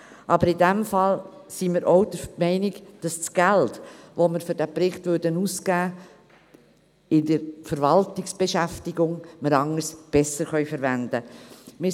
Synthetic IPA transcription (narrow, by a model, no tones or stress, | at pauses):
ʔɑbəɾɪdɛmfɑl | simɪɾʔoʊd̥əmɛɪnɪɡd̥ɑst͡sɡ̥æltʋoməɾfʏɾd̥æpɾɪχtvʉɾdənuːskæː | ɪdəɾfəɾvɑltɪksb̥eʃæftɪɡʊŋməɾɑŋːəsb̥ɛsəɾχœʏfəɾvænd̥əmɪ